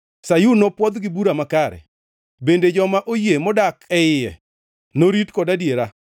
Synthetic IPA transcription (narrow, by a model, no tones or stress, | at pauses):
sajunɔpwɔd̪ɡɪbuɾamakaɾɛ̰ | bended͡ʒɔmaʔojemɔdakɛɪjɛ̰ | noɾitkɔdadjeɾa